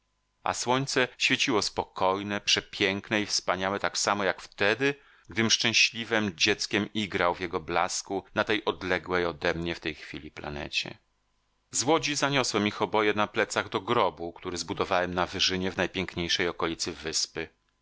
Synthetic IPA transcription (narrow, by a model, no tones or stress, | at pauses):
ʔa̰swɔɲt̪sɛɕfʲjet͡ɕiwɔspɔkɔjnɛpʂɛpʲjɛŋknɛifspaɲawɛt̪aksamɔjakft̪ɛd̪ɘ | ɡd̪ɘmʂt͡ʂɛ̃w̃ɕlʲivɛmd͡ʑɛt̪skʲɛmiɡɾawvjɛɡɔblaskunat̪ɛjʔɔd̪lɛɡwɛjɔd̪ɛmɲɛft̪ɛjxfʲilʲipla̰nɛ̰t͡ɕɛ̰ | zwɔd͡ʑizaɲɔswɛmixɔbɔjɛnaplɛt̪saɣd̪ɔɡɾɔbukt̪uɾɘzbud̪ɔvawɛmnavɘʐɘɲɛvnajpʲjɛŋkɲejʂɛjɔkɔlʲit̪sɘvɘspɘ